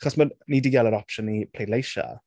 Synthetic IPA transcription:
χɔsmənidiɡɛlˠəɾɔpʃənːipʰl̥ejdlejʃa̰

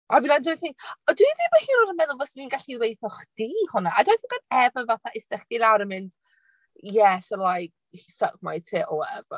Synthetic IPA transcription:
avilandɪθɪŋɔdwivibahiːɾɔɾəmɛðʊlˠvɔsininɡaɬiwejθɔχd̥ihʊnaadwajθɪnɡ̥ɔdɛvəvaθaʔɪstɛχd̥ilawɾəmɪnd̥ | jɛsəlˠajk̚ | hisəkmajtʰɪːʔɔɛvə

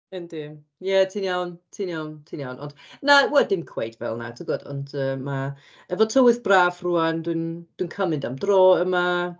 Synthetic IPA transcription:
əndɪm | jɛtʰiːnjawntʰiːnjawntʰiːnjawnʔɔ̰nd̥nawɛlˠdɪmkʰwejdvɛ̰lˠna̰tʰɪɡɔdɔ̰ndəːma | ɛvɔtʰəwɨθbraːvruːandwɨnd̥winkʰəmɨndamdroːəma

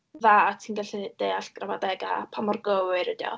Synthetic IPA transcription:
ðaatʰiːnɡaɬɛd̥ejaɬɡ̥ramadɛɡa̰pʰamɔrɡəwɨɾədjɔ̰

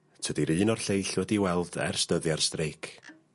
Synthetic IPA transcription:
tʰədiɾɨːnɔrɬejɬwɛdiwɛlˠd̥ɛ̰rstəðjarstrejkʰ

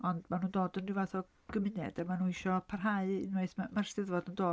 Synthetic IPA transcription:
ɔndmanuːndoːdəndɪwvaθɔ | ɡ̥əmɪnɛ̰damanuːniʃɔpʰarɦaɨɪ̰nweɨθmamarsɪðvɔdəndoː

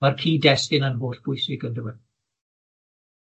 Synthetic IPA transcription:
markʰiːdɛstɪnənɦoːɬb̥ʊjsɪɡəndəwɛn

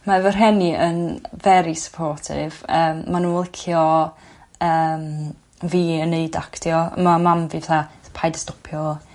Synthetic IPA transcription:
maɛvərɦɛniʔə̰nvɛɾisə̥pʰɔrtʰɪ̰vəːmmːanunlˠɪkʰjɔ | əːm | viːəneɨdaktjɔə̰mamamvivɛθapʰajdə̥stɔpʰjɔ

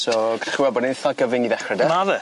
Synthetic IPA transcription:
sɔɡrχuwɛlˠbɔdinθɔɡ̥əvɪŋiðɛχrɛdɛmaðə

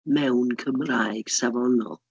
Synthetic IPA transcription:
mɛwnkʰəmrajɡ̥savɔnɔ̰lˠ

